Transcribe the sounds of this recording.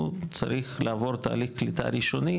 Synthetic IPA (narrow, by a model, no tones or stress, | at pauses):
t͡sa̰ɾiχlʔaːvo̞ɾt̪a̰ːliχklit̪a̰ɾiʃo̞ni